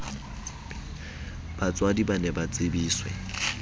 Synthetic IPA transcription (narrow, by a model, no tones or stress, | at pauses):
b̥at͡sʼwadibanɛbat͡sʼɪbiːswɛ̰